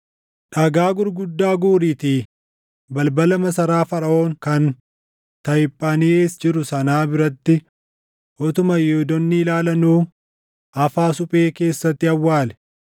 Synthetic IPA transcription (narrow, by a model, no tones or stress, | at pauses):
ᶑɐɡaːɡʊɾɡʊd̪ːaːɡuːɾiːt̪iː | bɐlbɐlɐmɐsɐɾaːfɐɾɐo̞ːŋkɐn | t̪ɐjɪpʼːɐnieːsd͡ʒɪɾʊsɐnaːbɪɾɐt̪ːɪ | ʔɔt̪ʊmɐjɛʊd̪ɔnːiːlaːlɐnuː | ʔɐfaːsʊpʼe̞ːke̞ːsːɐt̪ːɪɐwːaːlɛ̥